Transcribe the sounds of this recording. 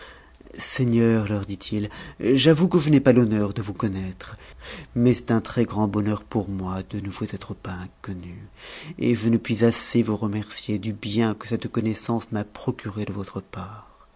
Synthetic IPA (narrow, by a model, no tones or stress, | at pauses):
sɛɲœʁlœʁd̪it̪ʰilʒavukəʒənɛpalɔnœʁd̪əvukɔnɛt̪χmɛsɛ̥t̪ɛ̃t̪χɛɡʁɑ̃bɔnœʁpuʁmwad̪ənəvuzɛt̪χəpaɛ̃kɔnyḛʒənəpɥizasevuʁəmɛʁsjed̪ybjɛ̃kəsɛt̪kɔnɛsɑ̃smapχɔkʲyʁed̪əvɔt̪χəpaːʁ